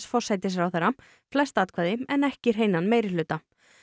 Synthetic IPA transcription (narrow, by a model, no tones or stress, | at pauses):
sfɔr̥sajt̪ɪs̬ɾawθɛɾa | flɛst̪aːt̪̚kʰvaːðɪmɛnɛhcɪɾ̥ɦeːjnanmeːjɾɪlʏːt̪a